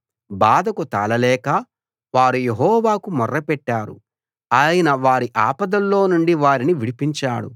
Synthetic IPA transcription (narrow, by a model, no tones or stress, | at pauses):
baːd̪ɐkut̪a̰ːlɐlɛːkɐ | ʋaːɾuje̞ɦɔːʋaːkumɔrːɐpɛʈːaːɾṵ | aːjɐnɐʋaːɾiʔaːpɐd̪ɐlːo̞ːnuɳɖiʋaːɾiniʋiɽipiɲt͡ʃaːɽṵ